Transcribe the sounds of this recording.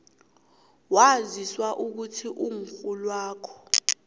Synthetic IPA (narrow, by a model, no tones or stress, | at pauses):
waziswaʔuk̬utʰiʔuŋ̩fulwaːkʰɔ̥